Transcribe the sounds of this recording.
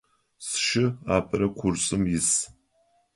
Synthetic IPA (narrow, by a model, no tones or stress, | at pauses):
sʃɪaːpʰʼɐɾɐkʷʰʊrsʼɨmjɪs